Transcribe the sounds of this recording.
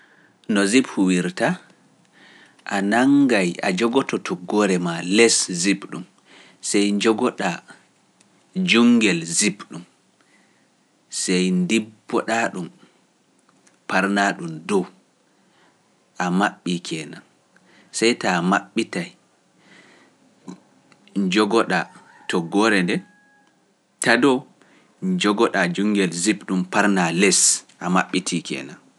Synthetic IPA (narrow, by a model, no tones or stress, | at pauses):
nɔziphuwiɾta | ʔanaŋɡaja̰d͡ʒɔɡɔtɔtʰɔɡɔɾɛmalɛszibɗum | sɛjɲd͡ʒɔɡɔɗa | d͡ʒuŋɡɛlzibɗum | sɛjndibːɔɗaɗum | paɾnaɗumdɔw | ʔamaɓːikʰɛːnan | sɛjtamaɓːitaj | ɲd͡ʒɔɡɔɗa | tʰɔɡɔɾɛndɛ | tadɔ | ɲd͡ʒɔɡɔɗad͡ʒuŋɡɛlzipɗumpaɾnalɛsʔamaɓːitʰikɛ̰ːnan